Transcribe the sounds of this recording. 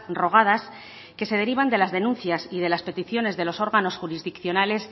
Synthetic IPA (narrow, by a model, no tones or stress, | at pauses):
ro̞ɣ̞að̞as | ke̞se̞ð̞eɾiβ̞and̪e̞lazðe̞nũnθjasið̞e̞laspe̞t̪iθjo̞ne̞zðe̞lo̞so̞ɾɣano̞sxuɾizðikθjo̞nale̞s